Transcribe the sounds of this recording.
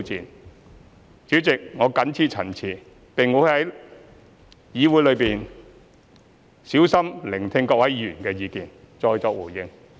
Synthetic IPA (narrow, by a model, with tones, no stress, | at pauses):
t͡siː˨n | t͡siː˨˥t͡sɪ˨k̚ŋɔː˨˧kɐ˨˥nt͡sʰiː˧t̚t͡sʰɐ˨˩nt͡sʰiː˨˩ | pe˨ŋmo˨˧˥hɐ˨˥j | jiː˨˧wuː˨˥jlɵ˨˧ɥpiː˨˩n | si˨˥wsɐ˥mlɪ˨˩ŋt̪ʰɪ˧ŋkɔː˧k̚wɐ˨˥jjyː˨˩nkɛː˧jiː˨˧kiː˨n | t͡sɔː˧jt͡sɔː˧k̚wu˨˩jɪ˧ŋ